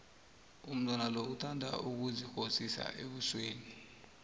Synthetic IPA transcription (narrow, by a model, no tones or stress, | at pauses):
um̩tʼwanaloutʰandʱa̰ʔuk̬uzixosisa̰ʔeɓusweːni